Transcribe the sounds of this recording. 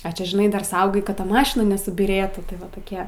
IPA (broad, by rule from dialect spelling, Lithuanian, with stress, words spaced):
ɐ ˈt͡ʃʲɛ ʒʲɪˈnɐɪ dɐr ˈsɐʊɡɐɪ ˈkɐt ˈtɐ ˈmɑːʃʲɪnɐ nʲɛsʊbʲiːˈrʲeːtuː tɐɪ ˈʋɐ toːˈkʲiɛ